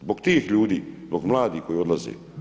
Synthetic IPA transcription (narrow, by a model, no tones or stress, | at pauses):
zbokt̪iːxʎuːd̪iːzboɡmlaːd̪ixkojod̪lazḭ